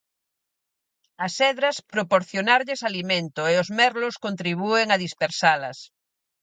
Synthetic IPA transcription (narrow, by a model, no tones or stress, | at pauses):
ɐsɛðɾaspɾopoɾθjonaɾʎesalimẽnt̪oeozmɛɾloskont̪ɾiβ̞ueŋaðispeɾsalɐ̰s